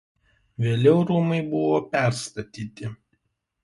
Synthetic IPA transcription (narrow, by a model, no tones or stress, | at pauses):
ʋʲeːlʲɛʊɾumɐɪbʊʋoːpʲɛˑɾst̪ɐt̪ʲiːt̪ʲɪ